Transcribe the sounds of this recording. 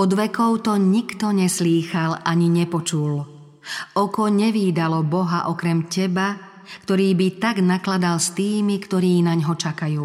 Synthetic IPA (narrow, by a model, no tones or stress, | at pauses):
ɔd̪ʋɛkɔʊt̪ɔɲikt̪ɔɲɛsliːxalaɲiɲɛpɔt͡ʃul | ɔkɔɲɛʋiːd̪alɔbɔɦaʔɔkɾɛmcɛba | kt̪ɔɾiːbit̪aɡnaklad̪alst̪iːmikt̪ɔɾiːnaɲɦɔt͡ʃakajuː